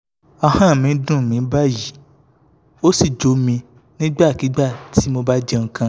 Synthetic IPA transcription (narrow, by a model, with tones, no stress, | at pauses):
a˧hã˦˨mĩ˨˦dũ˦˨mĩ˨˦ba˦ji˨˦ | o˦si˦˨d͡ʒo˨˦mĩ˧ | nĩ˦ɡ͡ba˦˨ki˨˦ɡ͡ba˦˨tʰi˨˦mo˧ba˦d͡ʒɛ˧ŋ̩˧kã˧˦